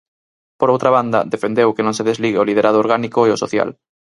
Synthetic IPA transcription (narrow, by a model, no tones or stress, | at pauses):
poɾowt̪ɾaβand̪ɐ̰d̪efend̪ewkenõŋseð̞ezliɣeolið̞eɾʔað̞ooɾɣanikoeosoθja̰l